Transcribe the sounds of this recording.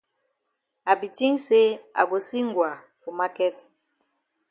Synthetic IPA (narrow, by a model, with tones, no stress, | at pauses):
a˨bi˨ti˦ŋse˦a̰˨ɡo˨si˦ŋɡwa˨ | fu˨ma˦kɛ˦t